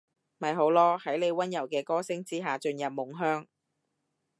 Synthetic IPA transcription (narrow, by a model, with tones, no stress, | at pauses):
mɐ˨˩jɦo˨˥wlɔː˥hɐ˨˥jle˨˧jwɐ˥njɐ˨˩wkɛː˧kɔː˥sɪ˥ŋt͡siː˥ɦaː˨t͡ʃɵ˧njɐ˨p̚mʊ˨˩ŋɦœː˥ŋ